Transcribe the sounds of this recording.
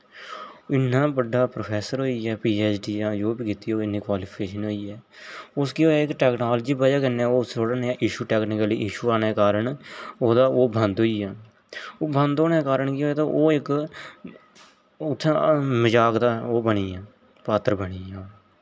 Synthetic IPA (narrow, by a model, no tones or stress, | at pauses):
ɪnãːbəɖaːpɾoːpʰɛːsəɾɦoːiːɛːpiːɛːt͡ʃɖiːãːd͡ʒoːbiːkɪt̪iːoːɪnːĩːkwaːliːpʰkeːʃənɦoːiːɛː | ʊskioːɛːɪkʈɛːknaːlːd͡ʒiːbəd͡ʒaːkəneaːoːst͡ʃʰoːɽəneaːʔɪʃuːʈɛːknɪkəliːʔɪʃuːaːneːkaːɾəɳoːd̪aːoːbə̃nd̪ɦoːiːaː | oːbə̃nd̪oːneːkaːɾəɳkɪoːɛːt̪oʔoːɪk | ʊt̪ʰːãməd͡ʒaːkd̪aːoːbəɳiːaː | paːt̪əɾbəɳiːaː